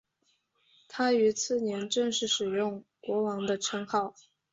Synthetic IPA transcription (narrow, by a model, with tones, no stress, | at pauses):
t̪ʰa˥y˧˥t͡sʰɹ̩˥˩njɛ˧˥nʈ͡ʂɤ˥˧ŋʂɻ̩˥˩ʂɻ̩˨˩jʊ˥˩ŋkwɔ˧˥wɑ˧˥ŋd̪ə˧ʈ͡ʂʰɤ˧˥ŋxɑ˥˩ʊ